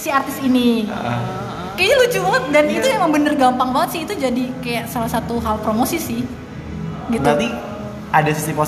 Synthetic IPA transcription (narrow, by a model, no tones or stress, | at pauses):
siart̪ɪsinḭ | kaɲalut͡ʃubəŋət̪̚danit̪ujaməŋbənərɡampaŋbaŋət̪sɪhit̪ud͡ʒadikajaʔsalasat̪uɦalpɾomosisɪh | ɡitt̪at̪i | adasisipo